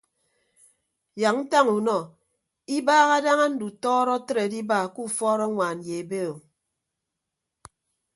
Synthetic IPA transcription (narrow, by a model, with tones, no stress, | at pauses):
ja˨ŋn̩˦ta˦ŋu˨nɔ˨ | i˦baː˦ɣa˦da˦ŋa˦n̩˦du˨tɔː˦ɾɔ˦tɾe˨di˦ba˨ku˦˨fɔː˦ɾɔ˦ŋʷaː˨n˨je˨e˨be˦˨o˨